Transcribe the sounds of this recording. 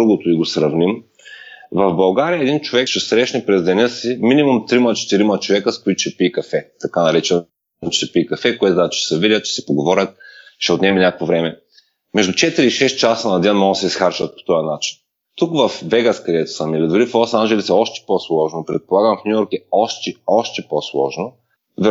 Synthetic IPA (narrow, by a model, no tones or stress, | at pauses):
ɾuɡʊt̪ʊiɡosɾɐvnim | vɐvbɐlˠɡaɾijəɛd̪int͡ʃovɛkʃɛsɾɛʃnɛpɾɛzd̪ɛnɤsiminimumt̪ɾimɐt͡ʃɛ̥t̪iɾimɐt͡ʃovɛkəskʊit̪ʊ̥ʃɛpikɐfɛt̪ɐkanɐɾit͡ʃɛ | mt͡ʃɛ̥ʃɛpiːkɐfɛkʊɛt̪ʊd̪at͡ʃʃɛ̥sɛvidʲɐt̪t͡ʃɛ̥sɛ̥poɡovɔɾʲɐt̪̚ʃɛot̪nʲɛminʲakkvovɾɛmɛ | mɛʒd̪ʊt͡ʃɛt̪iɾiːʃɛst̪̚t͡ʃasənɐd̪ɛnmɔɡosɛisxaɾt͡ʃɐt̪̚po̥t̪ɔjɐnat͡ʃi̥n | t̪ukvɐfvɛɡaskɐd̪ɛt̪ʊ̥səmilid̪ʊɾiflˠɔsanʒɛlisɛɔʃt̪ɛ̥poslˠɔʒnopɾɛt̪̚polˠaɡəmfnʲujɔɾkɛɔʃt̪ɛɔʃt̪ɛposlˠɔ̰ʒno | vɛ